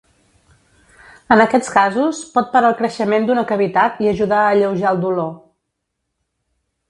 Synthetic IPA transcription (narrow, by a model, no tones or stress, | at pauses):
ənəkɛt͡skazuspɔt̪̚pəɾaəlˠkɾəʃəmend̪unəkəβit̪at̪iəʒuðaəːʎəwʒaəlˠd̪ulo